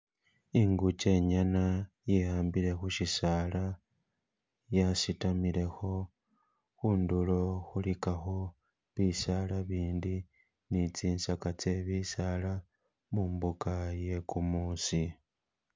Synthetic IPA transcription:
iŋɡut͡ʃe̞ɲana | jehaːmbiɾe̞xuʃisala | jasitamiɾe̞xo̞ | xuːndulo̞xulikaxo | βisalaβiːndi | nit͡siːnsakat͡se̞βisala | muːmbukaje̞kumuːsi

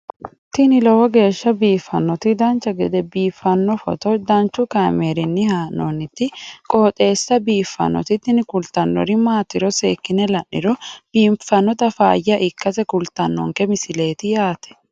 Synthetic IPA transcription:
t̪ɪnɪlɔwɔɡe̞ːʃːɐbiːfːɐnːɔt̪ɪd̪ɐnt͡ʃːɐɡɛd̪ɛbiːfːɐnːɔfɔ̰t̪ɔd̪ɐnt͡ʃːʊkaːmeːɾɪnːɪhaːnːɔnɪt̪ːɪkʼoːt̪ʼe̞ːsːɐbiːfːɐ̰nːɔ̰t̪ɪt̪ːɪnɪkʊlt̪ɐnːɔ̰ɾɪmaːt̪ːɪɾɔseːkːɪnɛlɐnːɪɾɔb̥iːmfːɐnːɔt̪ɐfa̰ːjɐʔɪkːɐsɛkʊlt̪ɐnːɔ̰ŋkɛmɪsɪle̞ːt̪ɪjaːt̪ɛ̥

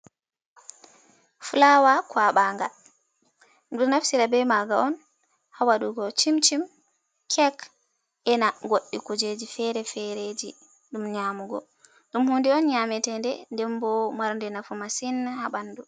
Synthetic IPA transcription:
fulawakwaɓaŋɡal | dumnafsiɾabɛmaɡaɔn | hawaɗuɡɔt͡ʃimt͡ʃim | kʰɛk | ɛnaɡoɗːikud͡ʒed͡ʒifɛɾɛfɛɾed͡ʒi | ɗumɲamuɡɔ̰ | ɗumhundiɔnɲamɛtɛndɛndɛmbɔmaɾndɛnafumasinahabanːdu

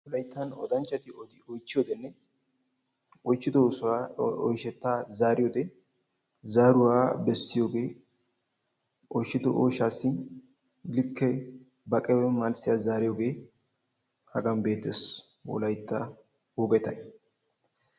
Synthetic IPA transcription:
wɔlɐjt̪ːɐnɔ̰d̪ɐnt͡ʃːɐt̪ɪɔd̪ɪɔjt͡ʃːɪjoːd̪ɛnːɛ | ɔjt͡ʃːɪd̪ɔsʊaɔjʃɛt̪ːaːzaːɾɪjoːd̪ɛ | zaːɾʊwaːbɛsːɪjo̞ːɡe̞ː | ʔɔjʃːɪd̪ɔʔo̰ːʃaːsːɪ | lɪkːɛ | bɐkʼɛwɛmalsɪjazaːɾɪjoːɡe̞ː | hɐɡɐnbe̞ːt̪ːes | wɔ̰lɐjt̪ːɐ | wɔɡɛt̪ɐj

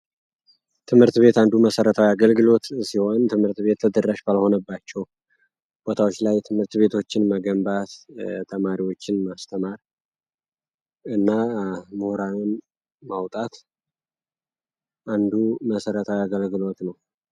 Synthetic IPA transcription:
t̪ʰɨmhɨɾt̪be̞t̪and̪uməsəɾət̪ʰawiaɡəlɡɨlo̞t̪siho̞nt̪ʰɨmhɨɾt̪be̞t̪ːʰəd̪ərːaʃbəlho̞nəbːat͡ʃːɛw | b̥o̞t̪ʰawot͡ʃːlajt̪ʰɨmhɨɾt̪βe̞t̪ʰo̞t͡ʃːɪnməɡəmbat̪t̪ʰəmaɾiwo̞t͡ʃːɪnmast̪ʰəmaɾ | ɨnːamuhɾanɨn | mawt̪ʼat̪ | ʔand̪uməsəɾət̪ʰawiaɡəlɡɨlo̞t̪nəw

